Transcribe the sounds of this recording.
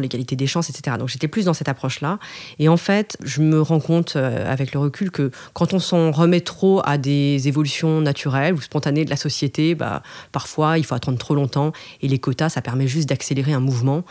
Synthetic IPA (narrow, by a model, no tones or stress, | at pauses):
leɡʲalit̪ed̪eʃɑ̃sɛt̪se̥t̪eʁad̪ɔ̃kʒet̪ɛplys̬d̪ɑ̃sɛt̪apχɔʃlaeɑ̃fɛt̪ʒəməʁɑ̃kɔ̃t̪ʰøa̰vɛkləʁəkʲʰylkə | kɑ̃t̪ɔ̃sɑ̃ʁəmɛt̪χoa̰d̪ezevɔlysjɔ̃nat̪ʰyʁɛluspɔ̃t̪aned̪əlʔasɔsjet̪eba̰paʁfwailfoat̪ɑ̃d̪ʁət̪χolɔ̃t̪ɑ̃elekɔt̪asapɛʁmɛʒyst̪̚d̪akseleʁeɛ̃muvmɑ̃